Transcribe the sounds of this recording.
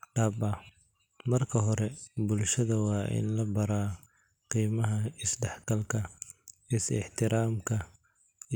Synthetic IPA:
ɖɐːbɐ | mɐrkʰɐɦɔɾɛbʊlʃɐðɐwɑːʔɪ̰nlɐbɐɾaː | qiːmɐɦɐɪsɖɛħɡʰɐlkʰɐ | ɪsɪ̰ħt̪ʰɪɾaːmkʰɐ

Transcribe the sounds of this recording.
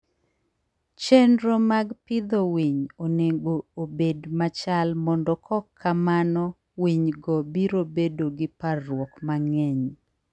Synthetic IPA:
t͡ʃɛndɾomaɡpɪd̪owiɲoneɡoobedmat͡ʃalmɔndɔkʰɔkʰːamanɔ | wiɲɡɔbiɾobedoɡɪparːwɔkmaŋɛɲ

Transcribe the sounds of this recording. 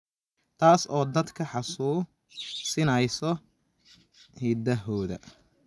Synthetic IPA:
t̪ʰaːsɔːd̪ɐd̪kʰɐħɑsuː | sɪnɐjsɔ | hiːd̪ɐɦɔːðɐ̰

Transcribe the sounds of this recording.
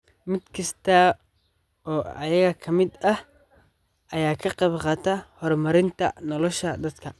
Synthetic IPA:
mɪd̪kʰɐst̪ʰa | ɔːɐjɐɣɐkʰɐmɪd̪ɐh | ʔɐjaːkʰɐqɑβqɑːt̪ʰahɔrmɐɾɪnt̪ʰɐ̰nɔlɔʃɐd̪ɐd̪kʰɐ

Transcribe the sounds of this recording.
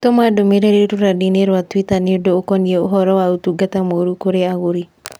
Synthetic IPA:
tomadomeɾeɾeɾoɾadineɾwatwitanɪodookɔnieoɦɔɾɔwautuɡatamoɾukoɾeaɣoɾi

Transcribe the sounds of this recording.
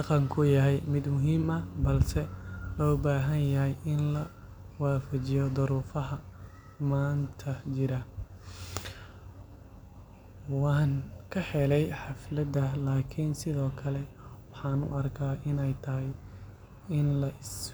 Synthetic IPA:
ɑqɑŋkʰʊjɐɦɛjmɪd̪mʊɦiːmɐbɐlsɛlɔːbaːɦɐnjɐɦɛjʔɪnlɐ | waːfɐt͡ʃɪjɔd̪ʊɾuːfɐɦɐ | maːnt̪ʰɐt͡ʃɪɾɐ | wɑːŋkʰɐħɛlɛjħɑflɐd̪ɐlaːkʰiːnsɪðɔːkʰɐlɛ | wɑħɑːnʊ̰ʔɐrkʰaːɪnɛjt̪ʰɐɦɛj | ɪnlɐʔɪs

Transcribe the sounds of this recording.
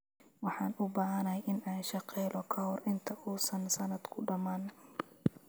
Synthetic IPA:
wɑħɑːnʊbaːɦɐnɐɛjʔɪnaːnʃɑqɛːlʔɔkʰɐhɔrʔɪnt̪ʰɐʔuːsɐnsɐnɐd̪kʰʊɖɐmaːn

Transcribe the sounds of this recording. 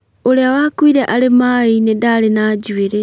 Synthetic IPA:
oleawakwiɾeʔalemainedalenaɟweɾe

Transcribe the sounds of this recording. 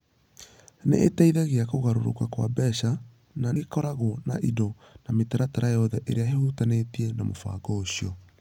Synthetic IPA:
nḛʔːtɛiðɛɣeakoɣaɾoɾo̰kakwa̰bɛʃa | naekɔɾaɣona̰ʔidɔ | nametaɾataɾajɔðɛʔeɾeaɦehutanetiɛnamofa̰ːɡɔoɕiɔ

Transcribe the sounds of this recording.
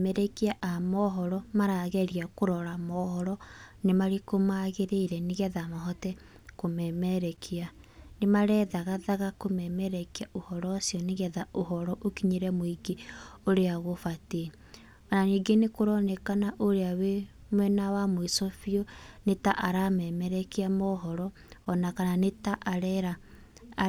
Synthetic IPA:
mɛɾɛkiaʔamɔɦɔɾɔmaɾaɣɛɾiakoɾɔɾamɔhɔɾɔnemaɾekomaɣeɾeiɾɛneɣɛðamaɦɔtɛ | komɛmɛɾɛkʰianemaɾɛðaɣaðaɣakomɛmɛɾɛkiaʔohɔɾɔsiɔneɣɛðaoɦɔɾɔʔokiɲeɾɛmoiɡeoɾeaɣofate | naniɡenekoɾɔnɛkanaʔoɾeawe | mwɛnawamoisofiɔnetaʔaɾamɛːmɛɾɛkiamɔɦɔɾɔː | nakananetaʔaɾɛɾa

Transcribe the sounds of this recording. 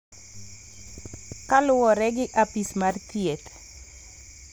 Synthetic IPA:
kalʊwɔɾɛɡɪʔapismaɾt̪iɛt̪

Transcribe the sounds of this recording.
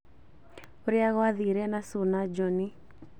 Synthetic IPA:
oɾiaɣɔaðiɾɛnasunad͡ʒɔni

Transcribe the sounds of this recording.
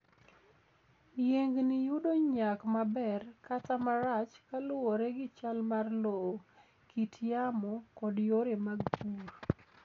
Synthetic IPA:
jeŋɡnijʊdoɲakmabɛrkatamaɾat͡ʃkalʊwɔɾɛɡɪt͡ʃalmarlo | kʰitjamɔkɔdjoɾemaɡpur

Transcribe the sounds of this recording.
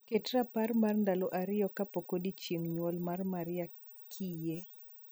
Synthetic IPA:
ketraparmarndalɔʔaɾɪjɔkapokodit͡ʃeŋɲwɔlmarmaɾɪa | kʰije

